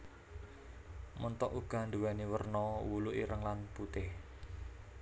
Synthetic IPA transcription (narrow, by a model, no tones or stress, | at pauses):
mənt̪ɔʔuɡ̥a̤nd̪uwɛniwərnɔwuluʔiɾəŋlanput̪ɪh